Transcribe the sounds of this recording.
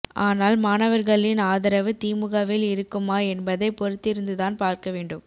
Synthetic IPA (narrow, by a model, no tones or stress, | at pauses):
ʔaːnaːlmaːnɐʋɐɾɣɐɭɪnaːðɐɾɐʋɯt̪iːmɯɣɐʋɪlɪɾɯkːɯmaːɛnbɐðɐɪpɔɾɯt̪ːɪɾɯnd̪ɯðaːnpaːɾkɐʋeːɳɖɯm